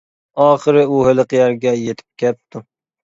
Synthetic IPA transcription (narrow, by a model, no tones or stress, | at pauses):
ɑːχəɾɨuhɪlˠɨqjæɾɡʲɛjet̪ʰɪ̥p̚kʲʰɛp̚t̪ʰu